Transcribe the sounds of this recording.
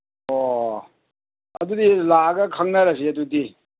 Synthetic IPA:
o | ɐ̰dudilaɡɐkʰaŋnɐɾɐs̬iɐdudi

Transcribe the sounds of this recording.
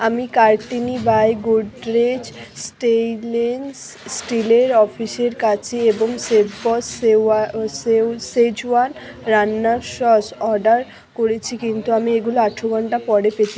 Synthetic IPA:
amikaɾʈinibajɡuɖɾed͡ʑsʈelens | sʈileɾɔfʰiʃeɾkat͡ɕʰeeboŋsebbɔsasesed͡ʑuan | ɾanːaɾʃɔsɔɾɖaɾ | koɾet͡ɕʰikint̪uamieɡuloaʈʰːoɡɔɳʈapɔɽepet͡ɕ̪ʰi

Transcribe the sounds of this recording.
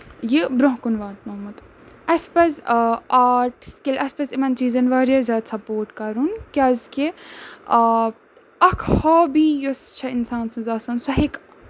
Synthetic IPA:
jibɾõɦkunʋaːt̪̚noːmɐt̪ | ɐspɐzaːʈskʲelʔɐsʲpɐsimɐnt͡ʃiːzɐnʋaːɾijɐzʲaːd̪sɐpoːɾʈkɐɾunkʲaːzke | ɐkʰhɔːbijost͡ʃʰɐinsaːnsɐ̃nzaːsɐnsɐɦik

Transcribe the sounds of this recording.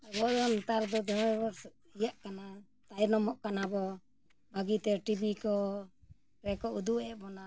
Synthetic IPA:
abɔd̪ɔnt̪aɾd̪ɔd̪ɔbɔ | ijaʔkana | t̪aɛɾnɔmɔʔkanabɔ | baɡit̪ɛʈibikɔ | ɾɛkɔud̪uʔɛʔbɔna

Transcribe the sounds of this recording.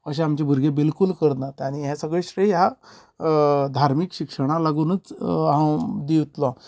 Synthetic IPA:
əɕ̬ẽamt͡ɕebʱuɾɡebilkulkəɾnat̪aɽ̃iɦɛ̃səɡɭeɕɾəjɦja | d̪ʱaɾmikɕikʂəɽ̃alaɡuːnət͡sɦãd̪iwt̪lɔ̃

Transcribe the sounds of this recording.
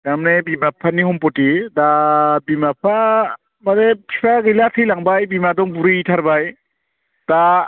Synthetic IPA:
damnebimapʰaniɦɔmpɔtidabimap̚ʰa | maɾepʰipʰaɡilatʰɯjlaŋbajbimadɔŋbuɾɯjitʰaɾbaj | d̥a

